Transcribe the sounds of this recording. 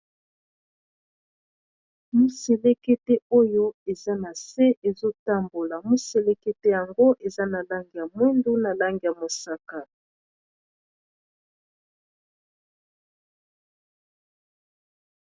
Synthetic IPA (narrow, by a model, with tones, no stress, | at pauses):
mu˦se˨le˦ke˦te˦o˦jo˦e˨za˦na˨se˦ʔe˨zo˦ta˦mbo˨la˨mu˦se˨le˦ke˦te˦ja˨ŋɡo˦ʔe˨za˦na˨la˦ŋɡi˨ja˨mwɛ˦ndu˦na˨la˦ŋɡi˨ja˨mo˨sa˨ka˨